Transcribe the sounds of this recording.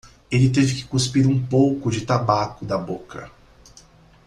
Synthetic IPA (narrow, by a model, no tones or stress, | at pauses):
elɪt̪evɪkɪ̥kuspiɾũpowkʊd͡ʒɪt̪abakʊd̪ɐbokɐ̰